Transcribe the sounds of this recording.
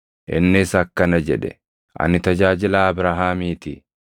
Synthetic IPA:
ʔɪnːɪːsɐkːɐnɐd͡ʒɛᶑɛ̰ | ʔɐ̰nɪt̪ɐd͡ʒaːd͡ʒɪlaːɐbɾaɦaːmiːt̪ɪ̰

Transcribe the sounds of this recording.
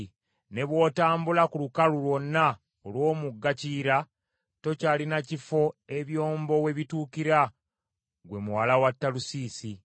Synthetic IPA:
ne̞βwo̞ːtaːmbulakulukalulwo̞nːa | olwo̞ːmuɡːaciːɾa | to̞caːlinacifo̞e̞βjo̞ːmbo̞we̞βituːkiɾa | ɡwe̞muwalawatːalusiːsi

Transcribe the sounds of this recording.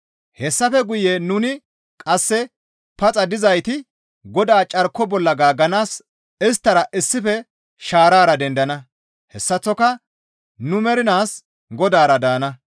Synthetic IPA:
hɛsːɐfɛɡʊjenʊnɪ | kʼɐsːɛ | pɐt͡sʼɐd̪ɪzɐjt̪ɪ | ɡɔd̪aːt͡ʃʼɐɾkːɔbɔlːɐɡaːɡɐnaːs | ɪs̬t̪ːɐɾɐʔɪsːɪfɛ | ʃaːɾaːɾɐd̪ɛnd̪ɐnɐ | hɛsːɐt͡sːɔkɐ | nʊmɛɾɪnaːs | ɡɔd̪aːɾɐd̪aːnɐ

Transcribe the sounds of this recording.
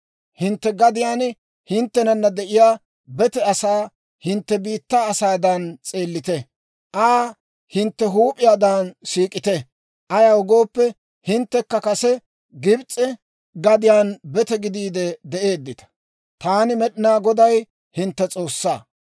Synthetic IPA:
hɪnt̪ːɛɡɐd̪ɪjaːn | hɪnt̪ːɛnɐnːɐd̪ɛʔɪjaː | bɛt̪ɛɐsaː | hɪnt̪ːɛbiːt̪ːaːsaːd̪ɐnt͡sʼeːlːɪt̪ɛ | ʔaː | hɪnt̪ːɛɦuːpʼɪjaːd̪anʃiːkʼɪt̪ɛ | ʔɐjaʊɡo̞ːpːɛ | hɪnt̪ːɛkːɐkɐsɛ | ɡɪbt͡sʼɛ | ɡɐd̪ɪjaːnbɛt̪ɛɡɪd̪iːd̪ɛd̪ɛʔe̞ːd̪ːɪt̪ɐ̥ | t̪aːnɪmɛɗɪnaːɡɔd̪ɐj | hɪnt̪ːɛt͡sʼo̞ːsːa̰ː

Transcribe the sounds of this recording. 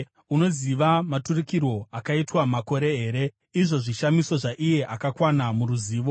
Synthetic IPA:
uno̞ziʋamaturikiro̞akaitwamako̞ɾe̞ɦeːɾe̞ | iʐo̞ʐiʃamiso̞ʐaʔije̞ʔakakwanamuruziːʋo̞

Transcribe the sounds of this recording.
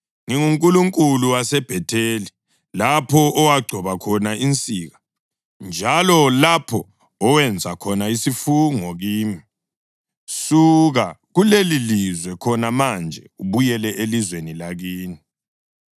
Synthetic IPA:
ŋiŋuŋkʼuluŋkʼuluwasɛb̥ʱɛtʰeːli | lapʰɔʔɔwaɡ͡ǀʱɔβakʰɔnaint͡sʼiːɣa | nd͡ʒʱalɔlapʰɔː | wɛnd͡zʱakʰɔnaisifuŋɔɣiːmi | suɣaɣulelilizwɛkʰɔnamand͡ʒʱɛuβujɛlɛʔelizwenilaɣiːni

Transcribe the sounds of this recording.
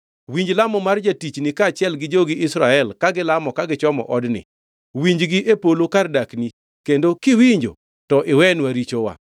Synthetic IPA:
wiɲd͡ʒlamɔmard͡ʒatit͡ʃnɪkat͡ʃɪɛlɡɪd͡ʒoɡɪʔɪsɾaɛlkaɡɪlamɔkaɡɪt͡ʃɔmɔ̰ʔɔdnɪ̰ | wiɲd͡ʒɡɪʔepolokardakni | kendokɪwiɲd͡ʒo̰ | tɔʔɪwɛnwaɾit͡ʃowa̰

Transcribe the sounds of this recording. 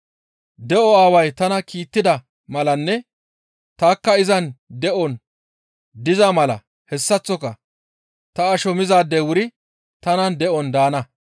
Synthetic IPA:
d̪ɛʔɔaːwɐjt̪ɐnɐkiːt̪ːɪd̪ɐ | mɐlɐnːɛ | t̪aːkːɐɪzɐnd̪ɛʔɔn | d̪ɪzamɐlɐ̰ | hɛsːɐt͡sːɔkɐ | t̪ɐːʃɔmɪzaːd̪ɛwʊɾɪ | t̪ɐnɐnd̪ɛʔɔnd̪aːnɐ

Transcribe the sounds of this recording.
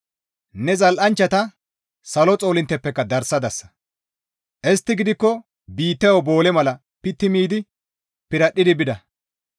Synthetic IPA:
nɛzɐlʔɐnt͡ʃːɐt̪ɐ | sɐlɔt͡sʼo̞ːlɪnt̪ːɛpːɛkːɐd̪ɐɾsɐd̪ɐsːɐ̥ | ʔɛst̪ːɪɡɪd̪ɪkːɔ | biːt̪ːɛjwbo̞ːlɛmɐlɐ | pɪt̪ːɪmiːd̪ɪ | pɪɾɐɗːɪd̪ɪbɪd̪ɐ

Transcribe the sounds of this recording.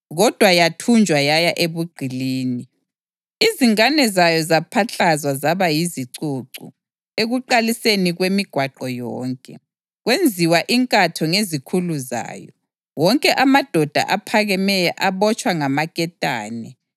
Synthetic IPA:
ɣɔd̥ʱwajatʰund͡ʒʱwajajaʔeβuɡ͡ǀʱiliːni | iziŋanɛzajɔzapʰaɬazwazaβajiziǀuǀṵ | eɣuǃaliseniɣwemiɡ̥ʱwaǃɔjɔːŋkʼɛ | ɣwend͡zʱiwaʔiŋkʼatʰɔŋezikʰuluza̰ːjɔ̰ | wɔŋkʼɛʔamad̥ʱɔd̥ʱa̰ʔapʰaɣɛmɛjɛʔaβɔt͡ʃʼwaŋamaɣʼɛtʼa̰ːnɛ

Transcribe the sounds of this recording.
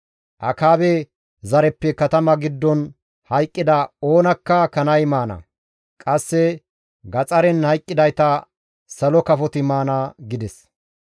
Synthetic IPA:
ʔɐ̰kaːbɛ | zɐɾɛpːɛkɐt̪ɐmɐɡɪd̪ːɔn | hɐjkʼːɪd̪ɐo̞ːnɐkːɐkɐnɐjmaːnɐ̰ | kʼɐsːɛ | ɡɐt͡sʼɐɾɛnhɐjkʼːɪd̪ɐjt̪ɐ | sɐlɔkɐfɔt̪ɪmaːnɐɡɪd̪ɛs

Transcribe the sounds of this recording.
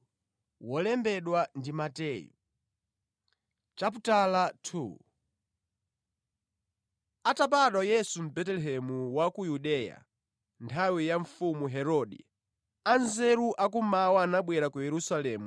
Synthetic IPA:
wɔlɛmbɛɗwandimatɛːjɔ̰ | t͡ʃap̬utalatʰṵ | atap̬aɗwajɛsum̩bɛtɛlɛɦɛmuwakujuɗɛja̰ | ntʰawijaɱfumuɦɛɾɔɗḭ | anzɛɾuʔak̬umawaanaɓwɛɾakujɛɾusalɛːmu

